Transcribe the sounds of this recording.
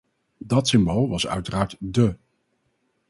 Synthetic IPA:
dɑtsɪmbolˠʋɑsœ̰ɥtəraːɹtdə

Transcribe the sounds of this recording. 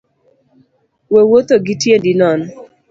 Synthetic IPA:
wewot̪oɡitjendinɔn

